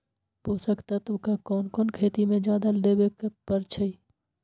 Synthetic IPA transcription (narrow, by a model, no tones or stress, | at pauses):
poːsəkt̪at̪oːkakɔːnkɔːnkʰeːt̪imẽd͡ʒaːd̪əld̪eːbekpəɾt͡ʃʰəiː